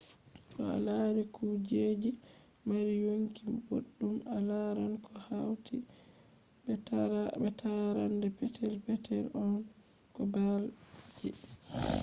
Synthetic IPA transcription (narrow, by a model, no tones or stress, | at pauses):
kɔ̰a̰laɾikud͡ʒeːd͡ʒi | maɾijoŋkimbo̰ɗːumalaɾankʰɔhawti | bɛtʰaɾandɛpɛtʰɛlpɛtʰɛlɔn | kɔbald͡ʒɛ